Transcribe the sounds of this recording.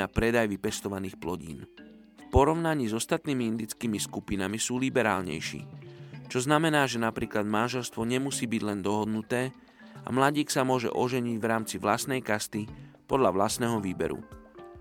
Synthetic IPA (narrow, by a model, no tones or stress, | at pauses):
apɾɛd̪ajʋipɛst̪ɔʋaniːxplɔɟḭːn | fpɔɾɔʊnaɲiːzɔst̪at̪niːmiind̪it͡skiːmiskupinamisuːlibɛɾa̰ːlɲɛ̰jʃḭːt͡ʃɔznamɛnaːʒɛnapɾiːklad̪manʒɛlst̪ʋɔɲɛmusiːbiɟlɛnd̪ɔɦɔd̪nut̪ɛː | a̰mlaɟiːksamʊɔʒɛ̰ʔɔʒɛɲiɟʋɾaːmt͡siʋlast̪nɛjkast̪ipɔd̪ʎaʋlast̪nɛɦɔʋiːbɛ̰ɾṵ